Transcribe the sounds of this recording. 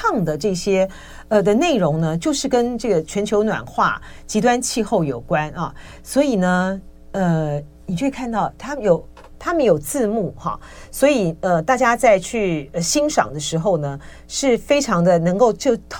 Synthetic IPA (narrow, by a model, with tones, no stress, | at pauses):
ɑ˥˩ŋd̪ə˩ʈ͡ʂɤ˥˩ɕjɛ˥ | ə˧d̪ə˧ne˥˩ɪɻʊ˧˥ŋnə˧t͡ɕjo˥˧ʊʂɻ̩˥˩kə˥nʈ͡ʂɤ˥˩ɡə˩t͡ɕʰɥɛ˧˥nt͡ɕʰjo˧˥ʊnwa̰˨˩nxwa̰˥˩t͡ɕi˧˥t̪̬wa˥nt͡ɕʰi˥˧xo˥˩ʊjo˨˩ʊkwa˥nɐ˨ | swɔ˧˥i˨˩nə˦ | ə˧ | ni˨˩t͡ɕjo˥˩˧kʰa˥˧nt̪ɑ˥˩ʊt̪ʰa˥mjo˨˩ʊ | t̪ʰa˥mə˨njo˨˩ʊt͡sɹ̩˥˧mu˥˩xɑ̰˥˩ | swɔ˧˥i˨˩ə˧t̪a˥˩t͡ɕja˥t͡sa˥˧ɪt͡ɕʰy˥˩ə˧ɕi˥ŋʂɑ̰˨˩ŋd̪ə˦ʂɻ̩˧˥xo˥˧ʊnə˩ | ʂɻ̩˥˩fe˥ɪʈ͡ʂʰɑ˧˥ŋd̪ə˧nɤ˧˥ŋko˥˧ʊt͡ɕjo˥˧ʊt̪ʰ